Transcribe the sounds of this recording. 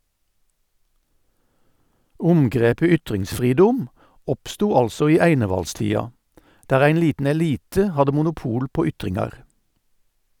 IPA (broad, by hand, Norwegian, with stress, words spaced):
ˈʊmɡʁeːpə ˈʏtʁɪŋsˌfʁiːdʊm ˈɔpstuː ˈɑlsɔ ˈiː ˈæɪnəʋɑlˌstiːɑ ˈdæːʁ ˈæɪn ˈliːtn̩ ɛˈliːtə ˈhɑdə mʊnʊˈpuːl ˈpoː ˈʏtʁɪŋɑʁ